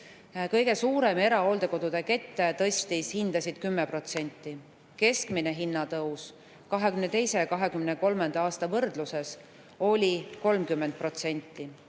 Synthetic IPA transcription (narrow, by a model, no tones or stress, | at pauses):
kɤjɡe̞suːɾe̞me̞ɾɑo̞ld̪̥e̞ko̞d̪ud̪̥eke̞t̪ːet̪ɤsʲt̪ishind̪̥ɑsid̪̥kymːepro̞t̪se̞nʲt̪ˑːi | ke̞skmineɦinːɑt̪ɤws | kɑɦe̞kymnet̪e̞jse̞jɑkɑɦe̞kymneko̞lmend̪̥ɑɑːst̪ɑvɤrd̪luse̞s | o̞lʲiko̞lmkymːend̪̥̚pro̞t̪se̞nʲt̪ˑːi